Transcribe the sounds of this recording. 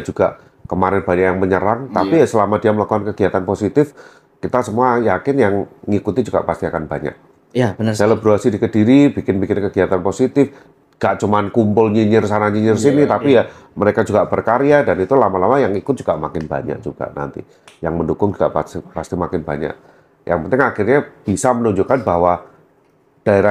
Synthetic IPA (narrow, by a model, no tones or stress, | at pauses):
d͡ʒuɡa̰ʔ | kəmaɾɛnb̥aɲaʔjaŋməɲəɾaŋt̪apiasəlamadiaməlakuankəɡiat̪anposit̪ɪf | kit̪asəmuajakɪnjaŋŋikut̪id͡ʒuɡ̥a̰past̪iakanbaɲa̰ʔ̚ | bəaləbɾoasidikədiɾibikɪnbikɪnkəɡiat̪anposit̪ɪf | ɡ̥aʔt͡ʃumankumpʊlɲiɲɪrsanaɲiɲɪrsinit̪apijaməɾekad͡ʒuɡaʔb̥ərkaɾiadanit̪ulamalamajaŋikʊt̪̚d͡ʒ̥uɡ̥aʔmakɪnba̰ɲa̰ʔ̚d͡ʒuɡ̥a̰ʔna̰nt̪ḭ | jaŋməndukʊŋd͡ʒuɡa̰ʔpaipast̪imakɪnba̰ɲa̰ʔ | jʔa̰ŋpənt̪ɪŋaxirɲab̥isamənuɲd͡ʒukanbaɦwa | d̥aeɾa